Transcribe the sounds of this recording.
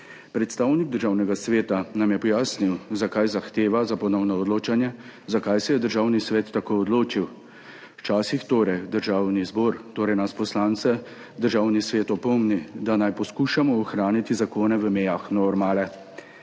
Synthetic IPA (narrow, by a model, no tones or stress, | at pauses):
pɾɛt̪st̪awniɡ̚d̪əɾʒaːwnɛɡasʋeːt̪anamjɛpɔjaːsniwzakajzaxt̪eːʋazapɔnɔwnɔɔd̪loːt͡ʃanjɛzakajsɛjɛd̪əɾʒaːwnisʋɛːt̪ːakoːɔd̪loːt͡ʃiw | wt͡ʃaːsixt̪oːɾɛjd̪əɾʒaːwnizboːɾt̪oːɾɛjnaspɔslaːnt̪sɛ | d̪əɾʒaːwnisʋeːt̪ɔpɔmnid̪anajpɔskuːʃamɔːxɾaːnit̪izakoːnɛʋəmejaxnɔɾmaːlɛ